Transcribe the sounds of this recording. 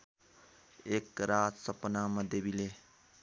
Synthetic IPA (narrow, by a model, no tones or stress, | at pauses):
ekɾat̪sʌpnamʌd̪jebile